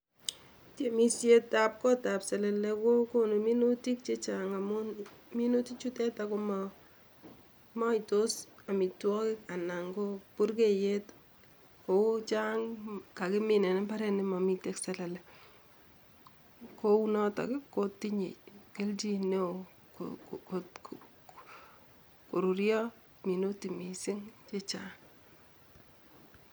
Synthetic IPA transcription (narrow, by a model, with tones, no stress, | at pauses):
te˨mi˦sje˦tap̚kɔ˦ta˨psɛ˨lɛlɛko˦ko˦nomi˦nuti˦k̚t͡ʃet͡ʃaŋamumi˦nu˦ti˦t͡ʃu˦tɛ˦takoma | mɔ˦jtosa˨mi˨twɔ˦kɪ˦ka˨na˨ŋɡopʊ˦rkejet | kot͡ʃa˦ŋka˨kɪ˦mɪ˦nɛ˨nɛ˦mba˦ɾɛ˦nɪ˦mɔ˨mi˨te˦ksɛ˦lɛ˨lɛ˨ | ko˦u˦nɔ˦tɔ̰˨kɪ˦kko˦ti˦ɲḛ˨ke˦lt͡ʃi˦ne˦o | kk | ko˨ɾu˨ɾjɔ˦ | mi˨no˦ti˨mi˨sɪ˦ŋt͡ʃe˦t͡ʃaŋ